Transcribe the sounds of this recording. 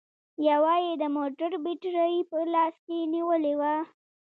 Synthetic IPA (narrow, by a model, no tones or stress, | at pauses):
jawɑjed̪əmoʈəɾbɪʈɾajpəlɑskeniwəlewa